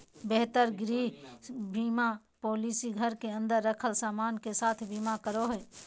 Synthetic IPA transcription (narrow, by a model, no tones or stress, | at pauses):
beɦt̪əɾɡɾibiːma | poːliːsiɡʱəɾkeə̃nd̪əɾːəkʰəlsaːmaːnkesaːt̪ʰbiːmakəɾoɦɛː